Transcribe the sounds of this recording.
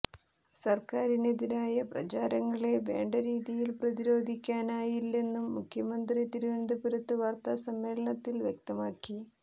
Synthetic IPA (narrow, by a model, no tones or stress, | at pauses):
sɐrkaːɾined̪inaːjɐprɐ̰t͡ɕaːɾɐŋːɐɭe̞ʋe̞ːɳɖɐɾiːðijilprɐðiɾo̞ːd̪ʱikʲːaːnaːjilːe̞nːumːukʰjɐmɐnd̪rit̪iɾuʋiɳd̪ɐpiɾɐt̪ːɨʋɐːrt̪ɐsɐmːe̞ːɭɐɳɐt̪ːilʋjek̚t̪ɐmaːkːi